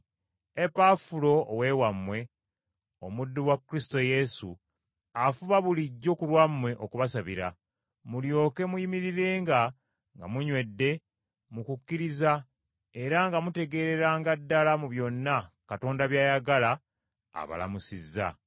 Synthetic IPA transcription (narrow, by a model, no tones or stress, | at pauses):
e̞pafulo̞ːwe̞wamːwe̞ | o̞̰mudːuwakːɾisto̞je̞su | afuβaβuliɟːo̞kulwamːwe̞ʔokuβasaβḭɾa̰ | muljo̞ːke̞mujimiɾiɾe̞ːŋɡa | ŋɡa̰muɲwe̞dːe̞ | mukukːiɾiza | e̞ɾaŋɡamute̞ɡe̞ːɾe̞ɾaːŋɡadːalamuβjo̞nːakato̞ːndaβjaːjaɡala̰ː | βa̰la̰musizːa̰